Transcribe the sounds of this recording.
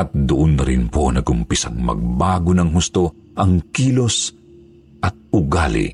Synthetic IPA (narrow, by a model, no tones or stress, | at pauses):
ɐt̪̚d̪ʊʔʊnːɐɾɪnponɐɡʊmpisɐŋmɐ̰ɡ̚baːɡonɐŋɦʊst̪o | ʔɐŋkiːlos | ʔɐt̪̚ʊɡalɪ̰